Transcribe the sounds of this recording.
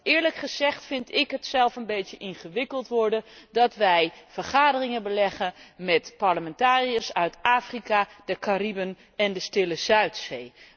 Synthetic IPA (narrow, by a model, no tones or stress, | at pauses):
ʔɪːɹləkχəz̥ɛχtfɪntɪkɦətsɛlˠfənbejtjəʔɪnχəʋɪkəlˠtʋɔɹdədɑtʋɛjfəɹχaːdərɪŋəbəlɛχəmɛtpɑɹləmɛntaːriəsœɥtaːfrikadəkaribən | ɛndəstɪləz̥œɥtsej